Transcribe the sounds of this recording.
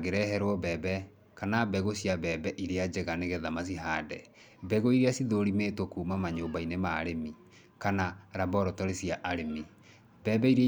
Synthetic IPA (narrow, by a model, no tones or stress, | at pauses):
ɡeɾɛɦɛɾwɔbɛːbɛ | kanabɛɣosiabɛːbɛʔiɾead͡ʑeɣaneɣɛðamasiɦadɛ | bɛɣoiɾeasiðoɾimeːtokuːmamaɲoːbainemaɾemi | kanaɾabɔɾɔtɔɾesiaʔaɾemi | bɛːbɛiɾe